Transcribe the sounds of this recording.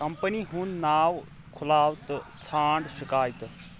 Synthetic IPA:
kɐmpəniɦunnaːw | kʰʊlaːwt̪t͡sʰaːɳɖʃikaːjt̪

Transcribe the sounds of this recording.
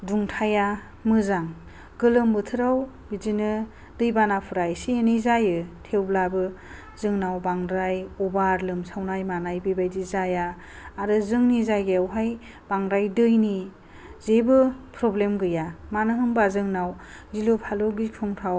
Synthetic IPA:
duŋtʰaja | mɯzaŋ | ɡɯlɯmbɯtʰɯɾaw | bizinɯ | dɯjbanapʰɯɾajsienijzajɯtʰewblabɯ | zɯŋnawbaŋɾajɔbaɾlɯmsawnajmanajbɯbajdizajaː | ɾɯzɯŋnizajɡeawɦaj | b̥aŋɾajdɯjni | zebɯpʰɾɔblemɡɯjamanɯɦɯmbazɯŋnaw | zilupʰalɔɡikʰɔŋtʰaw

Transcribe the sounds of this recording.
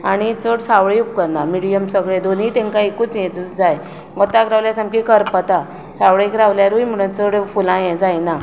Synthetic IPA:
aɽ̃it͡səɽsaʋɭeup̚kəɾnamiɽijəmsəɡɭed̪oniːt̪ɛ̃ŋkaekuːt͡sjɛ̃t͡sud͡zaj | ʋət̪akɾaʋljasamkikəɾpət̪a | saʋɭekɾaʋljaɾujm̤əɽə̃t͡səɽfulãjɛ̃d͡zajna

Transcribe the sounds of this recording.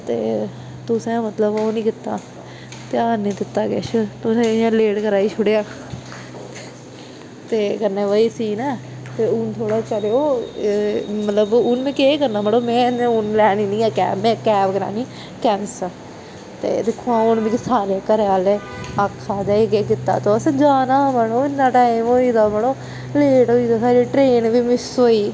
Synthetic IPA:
t̪eː | t̪ʊsẽːmət̪ləboːnĩːkɪt̪ːa̰ː | t̪eaːnĩːd̪ɪt̪ːaːkɛ̰ːt͡ʃət̪ʊsẽːãːleːɽkəɾaːiːt͡ʃʰʊɽeːãː | t̪eːkənẽːʋəiːsiːnãː | t̪eːʊnt̪ʰoːɽaːt͡ʃəɾeːoː | mət̪ləbʊnmẽːkeːkəɾnaːməɽoːmɛ̃ːnːʊnlɛːniːnĩːãːkɛ̰ːɛ̃ːkɛːpkəɾa̰ːniː | kɛnsə | t̪ḛːd̪ekʰːoãːʊnbĩːksaːɾeːkəɾeaːleː | akʰːaːd̪aːekeːkɪt̪ːa̰ːt̪õːəsd͡ʒaːnaːməɽoːɪnːãːʈaːimoːiːd̪aːməɽoː | leːʈoːiːd̪aːsaːɾiːʈɾeːnʋiːmɪsoːiː

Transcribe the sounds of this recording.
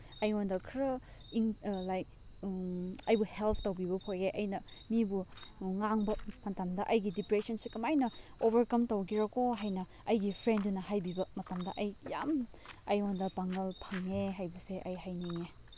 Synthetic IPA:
ɐjondɐkʰɾɐiŋlajk̚ | ɐjbuhelpʰtɐwbibɐpʰojeʔɐjnɐmibuŋaŋbɐmɐtamdɐʔɐjɡidipɾesɐnsikɐmajnɐobɐɾkɐmtɐwɡiɾɐkoɦajnɐ | ɐjɡipʰɾendunɐhajbibɐmɐtamdɐʔɐjjam | ɐjondɐpaŋɡɐlpʰɐŋeɦajbɐseʔɐjɦajniŋe

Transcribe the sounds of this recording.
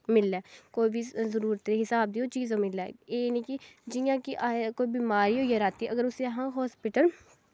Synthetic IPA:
mɪlːɛːkoːibʱizəɾuːɾət̪eɦɪsaːb̚d̪iːoːt͡ʃiːzãːmɪla̰eːnĩːkɪd͡ʒɪjãːkiʔakoːiːbiːmaːɾiːoːjəɾaːt̪iːʔəɡəɾʊseɦãːɦɔːspɪʈəl

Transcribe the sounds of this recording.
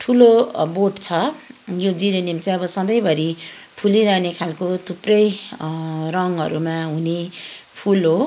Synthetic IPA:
ʈʰuloboʈt͡sʰʌjod͡ziɾenimt͡sʌʌbʌsʌd̪ʌjbʱʌɾi | pʰuliɾʌnekʰalkot̪ʰuprʌj | rʌŋɦʌ̰ɾumaɦunepʰulɦo

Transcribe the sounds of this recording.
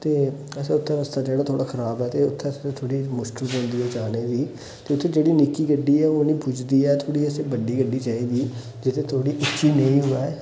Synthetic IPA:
t̪eːɛseʊt̪ʰːẽɾəst̪aːd͡ʒeːɽaːt̪ʰoːɽaːxʰəɾaːbɦɛːt̪eʊt̪ʰːeet̪ʰoːɽiːmʊʃkəlkɦõːnd̪iːɛːt͡ʃaːneːbiː | t̪eːʊt̪ʰːẽːd͡ʒeːɽiːnɪkːiːɡəɖːiːɛːoːnĩːbʊd͡ʒd̪iːɛːt̪ʰoːɽiːɛsebəɖːiːɡəɖiːt͡ʃaːiːɡ̪iː | d͡ʒɪt̪ʰẽt̪ʰoːɽiːʔʊtːʃiːnəĩːɦʊaː

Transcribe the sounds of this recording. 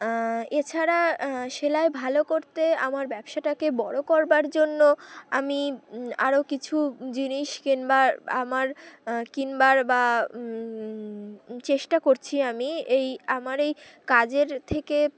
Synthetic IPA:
et͡ɕʰaɾaʃelaebʱalokoɾt̪ea̰maɾbɛbʃaʈakebɔɽokɔɾbaɾd͡ʑonːoa̰mia̰ɾokit͡ɕʰud͡ʑiniʃkinbaa̰maɾkinbaɾba | t͡ɕeʃʈakoɾt͡ɕʰiamiejamaɾejkad͡ʑeɾt̪ʰeke

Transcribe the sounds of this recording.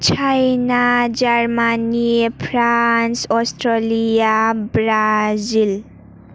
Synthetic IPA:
t͡ʃʰajnad͡ʒarmanipʰɾansɔstɾɔlijabɾazil

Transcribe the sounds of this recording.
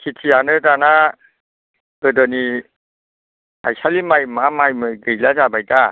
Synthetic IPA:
kʰitʰianɯdana | ɯdɔni | a̰jsalimajmamajmɯjɡɯjlad͡ʒabajta

